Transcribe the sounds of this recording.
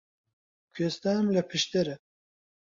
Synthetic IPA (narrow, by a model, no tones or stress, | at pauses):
kʰest̪amlɛpʰɨʃt̪eɾɛ